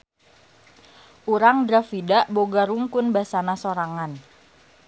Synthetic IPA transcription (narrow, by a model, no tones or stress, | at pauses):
ʔuɾaŋdɾafidaʔboɡaɾuŋkʊnbasanasoɾaŋan